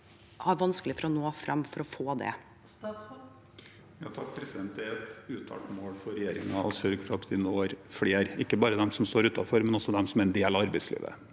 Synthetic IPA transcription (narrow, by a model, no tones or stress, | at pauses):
hɑɾʋɑnsklɪfɔɾɔnoːfɾɑmːfɔɾɔfoːd̪ɛ̰ | jɑt̪ʰɑkːpʰɾɛsɪd̪ɛnt̪ɛɛt̪ʉːt̪ʰɑ̰ːʈmoːɽfɔɾɛjeːɾɪ̰ŋɑʔɔsœlɡfɾɑt̪d̪ɪnoːɾfɽeːɾɪkːəbɑːɾəd̪ɛmsɔmst̪oːɾʉːt̪ɑfɔɾmɛnɔsɔd̪ɛmsɔmæɾɛnd̪eːlɑʋɑɾbɛɪslḭːʋə̰